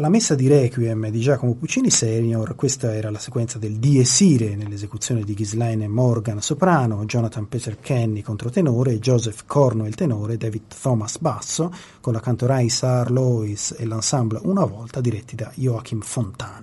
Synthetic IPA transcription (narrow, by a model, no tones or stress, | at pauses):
lamesːad̪iɾɛkiɛmd̪id͡ʒaːkomoput͡ʃiːnisɛnorkwest̪aɛːɾalase̥kwɛnt̪sad̪eld̪iesiːɾenelːezekut̪sːjoːned̪iɡizlajnmɔrɡansopɾaːnod͡ʒɔnat̪anpɛt̪erkʰɛnːikont̪ɾot̪enoːɾed͡ʒɔzɛfkʰɔrnoilt̪enoːɾed̪ɛvid̪t̪ɔmasbasːo | konlakant̪oɾajsarlɔisḛlːansamblunavɔlt̪ad̪iɾɛt̪ːid̪ajoak̟imfont̪aːn